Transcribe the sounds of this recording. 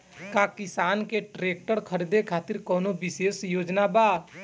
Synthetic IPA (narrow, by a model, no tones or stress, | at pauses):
kakɪsaːnkeʈɾeːk̚ʈəɾkʰəɾid̪ekʰaːt̪ɪɾkɔːnobɪʃeːsjoːd͡ʒnabaː